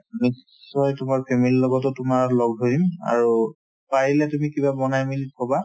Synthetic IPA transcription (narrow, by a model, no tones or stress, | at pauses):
nisː | ɔjtʊmaɹpʰemililɔɡɔtʊtʊmaɹlɔɡdʱoɹima̰ɹu | paɹilɛtumikibabɔnajmilkʰɔba